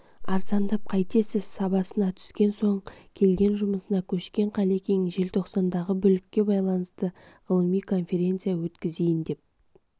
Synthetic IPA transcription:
ɑɾzɑnd̪ɑp̚qʰɑjt̪ʰe̞sɪzsɑbɑsənɑt̪ʰʏ̥skʲe̞nso̞ɴkʲʰe̞lɡʲe̞nʒʊməsənɑkʲʰɵʃkʲe̞ɴqʰɑlekʲʰeŋɪʒe̞lt̪ʰo̞qsɑnd̪ɑʁəbʏlɪkʲːe̞bɑjlˠɑnəst̪əʁ̥əlˠəmijkʰo̞nfʲe̞ɾʲe̞nt̪sɨjawɵt̪kʲɪze̞jɪnd̪e̞p̚

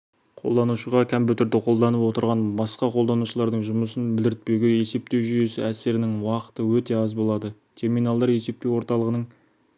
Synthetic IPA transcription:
qʰo̞̰lˠd̪ɑnuʃəʁɑkʲʰæmbɪt̪ʰʏɾd̪ɪqʰo̞lˠd̪ɑnəpwo̞t̪əɾʁɑnbɑsqɑqʰolˠd̪ɑnuʃəlˠɑɾd̪əɴʒʊməsənbɪld̪ɪɾɪt̪̚pewɡʲe̞je̞se̞p̚t̪e̞wʒʏje̞sɪæse̞ɾɪnɪŋwɑqə̥t̪əwɵt̪e̞ɑzbo̞lˠɑd̪ə | t̪ʰe̞ɾminɑlˠd̪ɑɾje̞se̞p̚t̪e̞wo̞ɾt̪ɑlˠəʁənəɴ

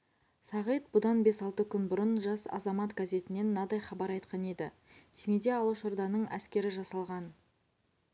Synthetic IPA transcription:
sɑʁəjt̪̚bʊd̪ɑnbe̞sɑlˠt̪əkʲʰʏnbʊɾənʒɑsɑ̰zɑmɑt̪ɡaze̞t̪ɪne̞nːɑd̪ɑjχɑbɑɾɑjt̪qɑne̞d̪ɪ | semed̪eɑlˠuʃʊɾd̪ɑnəɴæ̰skʲe̞ɾɪʒɑsɑlˠʁɑn

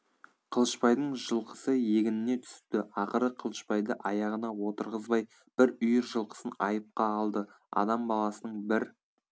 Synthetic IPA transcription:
qʰəlˠəʃpɑjd̪əɴʒəlˠqə̥səje̞ɡʲɪnɪne̞t̪ʰʏ̥st̪ɪɑqəɾəqʰəlˠəʃpɑjd̪əʔɑjɑʁənɑwo̞t̪əɾʁəzbɑj | b̥ɪɾʏjɪɾʒəlˠqə̥sənɑjəp̚qɑːlˠd̪ə | ɑ̰d̪ɑmbɑlˠɑsənəɴbɪɾ

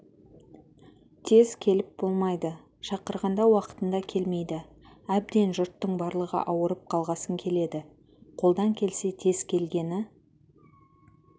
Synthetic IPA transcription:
t̪ʰe̞z̥kʲʰe̞lɪp̚bo̞lˠmɑjd̪ə | ʃɑqəɾʁɑnd̪ɑwɑqə̥t̪ənd̪ɑkʲʰe̞lme̞jd̪ɪ | æb̚d̪e̞nʒʊɾt̪ːəɴbɑɾlˠəʁə̰ʔɑwəɾəp̚qʰɑlˠʁɑsəŋkʲʰe̞le̞d̪ɪ | qʰo̞lˠd̪ɑŋkʲʰe̞lse̞t̪ʰe̞z̥kʲʰe̞lɡʲe̞nɪ

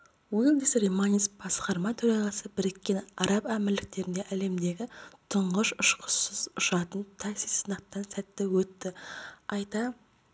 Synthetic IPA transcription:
wilˠd̪isɾimanʲisbɑsqɑɾmɑt̪ʰɵɾɑʁɑsəbɪɾɪkʲːenɑɾɑpæmɪɾlɪk̚t̪e̞ɾɪnd̪e̞ʔæle̞md̪e̞ɡʲɪt̪ʰʊɴʁəʃʊʃqʰʊ̥səzʊʃɑt̪ənt̪ʰɑksissənɑqt̪ːɑnsæt̪ːewɵt̪ːɪɑjt̪ɑ

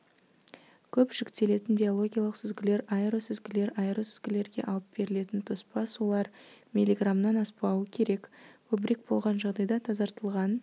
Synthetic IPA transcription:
kʲʰɵpʒ̥ɪkt̪e̞le̞t̪ɪnbʲio̞lˠo̞ɡʲijalˠəqsɪzɡʲɪle̞ɾɑɾosɪzɡʲɪle̞ɾaɾəsʏzɡʲɪle̞ɾɡʲe̞̰ʔɑlˠəp̚be̞ɾɪle̞t̪ɪnt̪ʰospɑsulˠɑɾmʲilʲiɡramnɑnɑspɑwəkʲʰe̞ɾe̞kkʲʰɵbɪɾe̞k̚bo̞lˠʁɑnʒɑʁd̪ɑjd̪ɑt̪ʰɑzɑɾt̪əlˠʁɑn

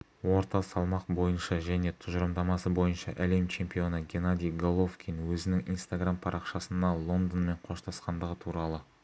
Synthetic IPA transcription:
wo̞ɾt̪ɑsɑlˠmɑq̚bo̞jənʃɑʒæne̞t̪ʰʊʒəɾəmd̪ɑmɑsəbo̞jənʃɑ̰ʔæle̞mt͡ʃʰe̞mpijo̞nəɡʲe̞nad̪ʲijɡolˠo̞fkʲinwɵzɪnɪŋḭnst̪aɡrampʰɑɾʔɑqʃɑsənd̪ɑlˠo̞nd̪ənme̞ɴqʰo̞ʃt̪ʰɑsqɑnd̪əʁət̪ʰuɾɑlˠə

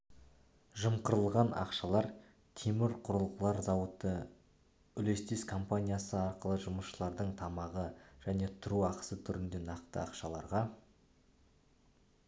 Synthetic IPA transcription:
ʒəmqəɾəlˠʁɑnɑ̰qʃɑlˠɑɾ | t̪ʰemɪɾqʰʊɾəlˠqəlˠɑɾzɑwət̪ːə | ʏle̞st̪e̞skʰo̞mpanʲijasəɑɾqəlˠəʒʊməsʃəlˠɑɾd̪əɴt̪ʰɑmɑʁəʒ̥æne̞t̪ʰʊɾuɑqə̥sət̪ʰʏɾɪnd̪e̞nɑq̚t̪ə̰ɑ̰qʃɑlˠɑɾʁɑ

